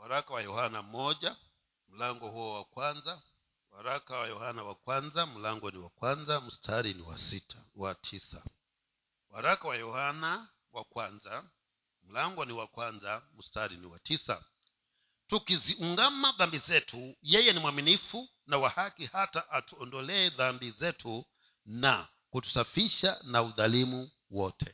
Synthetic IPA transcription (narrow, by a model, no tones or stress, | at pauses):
waɾakawajɔhanam̩mɔʄa | m̩laŋɡɔhuɔwakwanza | waɾakawajɔhanawakwanzam̩laŋɡɔniwakwanzam̩stʰaɾinḭwa̰sitʰawatʰisa | waɾakawajɔhana | wakwanza | m̩laŋɡɔniwakwanzam̩staɾiniwa̰tisa̰ | tukiziuŋɡamaðambizɛtʰujɛjɛnimwaminifu | nawahakihataʔatuɔndɔlɛːðambizɛtʰu | na | kutu̥safiʃanauðalimu | wɔtʰɛ